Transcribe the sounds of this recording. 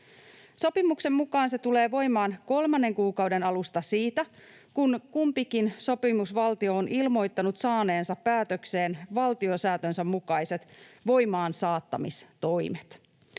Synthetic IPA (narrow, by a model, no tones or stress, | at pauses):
so̞pimukse̞mːukɑːnse̞t̪ule̞ːʋo̞jmɑːnko̞lmɑnːe̞ŋkuːkɑwde̞nɑlust̪ɑsiːt̪æ | kunkumpikinso̞pimusʋɑlt̪io̞ːnʔilmo̞jt̪ːɑnut̪sɑːneːnsɑpːæːt̪økse̞ːnʋɑlt̪io̞sæːt̪ønsæmːukɑjse̞t̪ʋo̞jmɑːnsɑːt̪ːɑ̰mist̪o̞jmet̪